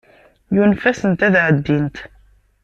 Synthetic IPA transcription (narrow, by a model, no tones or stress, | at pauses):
junfæsənt̪æðʕəd̪ːint̪